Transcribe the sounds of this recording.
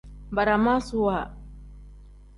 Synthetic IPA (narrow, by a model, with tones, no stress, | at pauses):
ba˨ɾa˨ma˦su˨wa